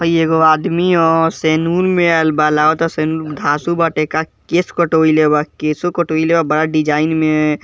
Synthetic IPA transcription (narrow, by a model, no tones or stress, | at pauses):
pəieɡoaːd̪miɔɾseːnuːɾmẽɛlbalaːot̪ɔseːnund̪ʱaːsubaʈekakeskəʈoilebakesokəʈoilebabəɽaɖid͡ʒaːɪnme